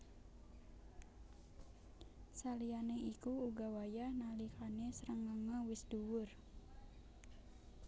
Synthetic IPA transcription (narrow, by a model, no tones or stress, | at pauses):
salianeikuːɡawajanalikanesəɾəŋaŋawɪsduwʊr